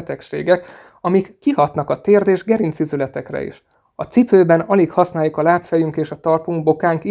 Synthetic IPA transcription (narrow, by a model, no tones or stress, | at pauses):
t̪ɛkʃḛːɡɛk | ɒmikːiɦɒt̪nɒkɒt̪eːrd̪eːʒɡɛɾint̪sizylɛt̪ɛkrɛ̰ḭʃ | ɒt̪sipøːbɛnɒlikhɒsnaːjukɒlaːpfɛjyŋkeːʃɒt̪ɒrpuŋɡ̚bo̞kaːŋk